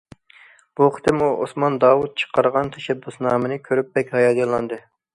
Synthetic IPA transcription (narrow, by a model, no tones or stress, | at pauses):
b̥uχʰə̥t̪ɪmuʔo̰smɑnd̪ɑːwut̪̚t͡ʃʰə̥qɑɾʁɑnt̪ʰɛʃɛbːysnɑːmɨnɨkʲʰøɾyp̚bɛkʲhɑjɑd̪jɑlˠːɑnd̪ɨ